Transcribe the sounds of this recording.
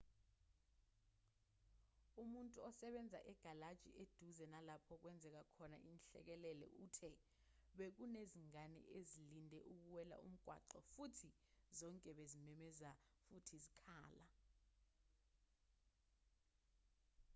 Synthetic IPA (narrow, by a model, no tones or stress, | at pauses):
umuntʼuɔsɛɓɛnd͡zʱa̰ʔɛɡ̥ʱalad̥ʒ̥ʱḭʔed̥ʱuzɛnalapʰɔk̬wɛnd͡zʱɛk̬akʰɔna̰ʔinɬɛ̰k̬ɛlɛlɛ̰ʔutʰɛ | ɓek̬uneziŋanɛ̰ʔezilindʱɛʔuk̬uwɛla̰ṵm̩ɡ̥ʱwa̰ǃɔfutʰi | zɔŋkʼɛɓezimɛmɛzafutʰizikʰaːla